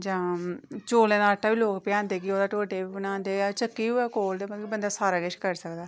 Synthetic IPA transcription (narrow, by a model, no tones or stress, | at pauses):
d͡ʒãːt͡ʃoːleːnaːʈːaːʋiːloːkpjãːnd̪eːkɪoːd̪aːʈoːʈeːbiːbənãːnd̪eːat͡ʃəkːiːuːɛːkoːld̪eːmət̪kibənd̪aːsaːɾaːɡeʃkəɾsəkd̪aː